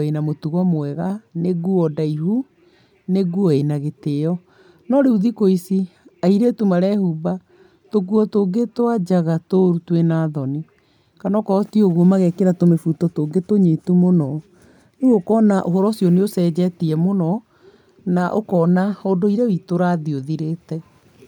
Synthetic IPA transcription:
enamotuɣɔmoɛɣaneɡuɔdaihu | neɡuɔenaɣeteɔ | nɔɾeuðikoisiaiɾetumaɾɛhuba | toɡuɔtoŋɡetwad͡ʒaɣatoɾutwenaːðɔni | kanɔkɔɔtioɣɔmaɣɛkeɾatomefutɔtoːɡetoɲetumonɔ | neɣokɔnaʔoɦɔɾɔsjɔneosɛd͡ʑɛtiɛmonɔ | naʔokɔnahodoiɾɛwitoɾaðioðiɾetɛ

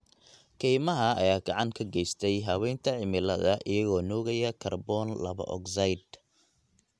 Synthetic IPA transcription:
kʰiːmɐɦɐɐ̰jaːɡɑʕɑŋkʰɐɡɛjst̪ʰɛjɦɐwɛjnt̪ʰɐʕɪmɪlɐ̰ðɐʔɪjɐɣɔːnɔːɣɐjɐkʰɐrbɔnlɐ̰βɐ̰ʔɔ̰ksɐjd̪

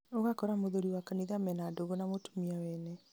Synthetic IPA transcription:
oɣakɔɾamoðoɾiwakaniðamɛnadoɣonamotu̥miawɛnɛ

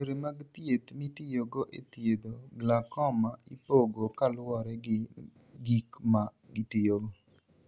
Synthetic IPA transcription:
ɾemaɡt̪jet̪mit̪ɪjoɡoʔet̪ɪed̪oɡlakɔmaipoɡokalwɔɾɛ | ɡikma | ɡit̪ɪjoɡo

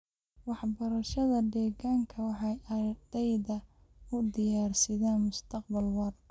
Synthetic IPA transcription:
wɑħbɐɾɐʃɐðɐd̪ɛːɣaːŋkʰɐwɑħɑjɐd̪ɛjðɐ | ʊd̪ɪjaːrsɪðaːnmʊst̪ʰɐq̚bɐlwɑr

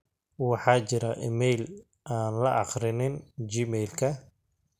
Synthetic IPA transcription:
wɑħɑːt͡ʃɪɾɐʔɪmɛjl | ʔaːnlɐʔɑχɾɪnɪnd͡ʒiːmɛjlkʰɐ

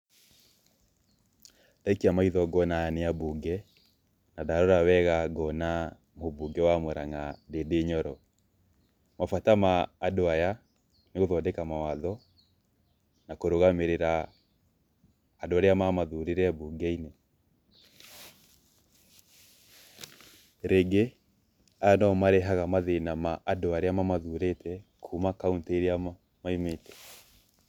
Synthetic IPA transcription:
daikiamaiðɔɡɔnaaneabuɡɛ | nadaɾɔɾawɛɣaɡɔna | moβuɡɛwamoɾaŋadedeɲɔɾɔ | mafatamaːdoaja | neɣoðɔdɛkamawaðɔ | nakoɾoɣameɾeɾa | doaɾeamamaðuɾeɾɛbuɡɛine | ɾeɡe | ajanɔmaɾeɦaɣamaðenamaʔadoaɾeamamaðuɾetʰɛkʰumakaunteɾea | maimetɛ̥

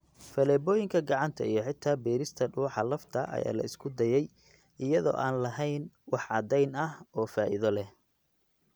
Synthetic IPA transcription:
fɐlɛːbɔːjɪŋkʰɐɡɑʕɑnt̪ʰɐ̰ijɞħɪt̪ʰːaːbɛːɾɪst̪ʰɐɖuːħɑlɐft̪ʰɐʔɐ̰ja̰ːlɐ̰ɪskʰʊd̪ɐjɛj | ɪjɐðɔ̰ːʔaːnlɐɦɛjnwɑħʕɑd̪ɛjnɐhɔːfaːʔɪðɔlɛh

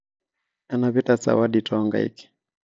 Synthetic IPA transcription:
anapitasa̰waɗitʰɔŋɡa̰ḭki̥

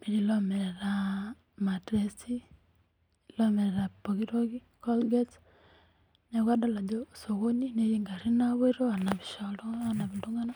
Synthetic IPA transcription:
miɾilomeɾeɾa | matesi | ilomeɾeɾapoɣiɾoɣi | kolɡet | neɣwadaladosoɣoɲineɾiŋɡaɾinaβeɾoanaβiʃaloanaβiluŋɡana

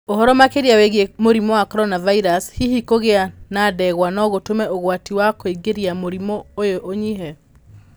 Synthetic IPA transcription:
ohɔɾɔmakeɾiaweɣemoɾimɔwakɔɾɔnavaiɾashihikoɣeanadɛɣwanɔɣotomɛoɣwatiwakoiɡeɾiamoɾimɔojoʔoɲiɦɛ

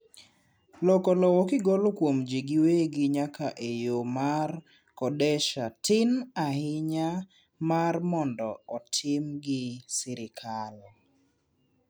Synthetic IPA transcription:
lɔkɔlɔwɔkɪɡɔlokwomd͡ʒiɡɪweɡɪɲakaʔejomar | kɔdɛʃatʰɪnahɪɲa | marmɔndɔɔtʰɪmɡɪsɪɾɪkʰal

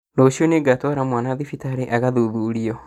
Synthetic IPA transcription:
nɔɕiɔneɡatwɔɾamwanaðifitaɾeʔaɣaðuðuɾiɔ

